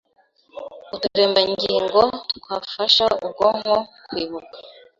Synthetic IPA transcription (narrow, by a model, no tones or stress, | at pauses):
utuɾeːmbaŋɡiːŋɡotkwaːfaʃaub̚ɡoŋhokwiːβukḁ